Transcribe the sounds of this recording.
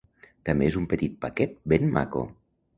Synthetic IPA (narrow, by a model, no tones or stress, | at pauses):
t̪əmbeezumpət̪it̪̚pakɛt̪̚benma̰ko̰